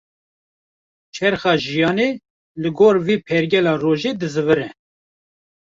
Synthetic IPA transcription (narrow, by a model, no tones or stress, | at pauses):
t͡ʃʰɛɾxɑːʒijɑːneː | lɨɡoːɾviːpʰɛɾɡʲɛlɑːroːʒeːd̪ɨzɨvɨɾɛ